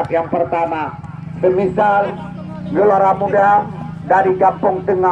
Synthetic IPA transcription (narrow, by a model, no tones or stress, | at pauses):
t̪jaŋpərt̪ama | dəmisal | ɡəloɾamuda | daɾiɡampʊŋt̪əŋa